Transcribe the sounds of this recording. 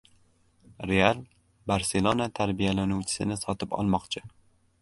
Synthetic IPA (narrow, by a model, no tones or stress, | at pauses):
ɾe̞alˠ | baɾse̞lˠonat̪ʰaɾbijalanuwt͡ʃʰɪ̥sɪ̰nɪsɒt̪ʰɪpɒ̰lˠmɒqt͡ʃʰɪ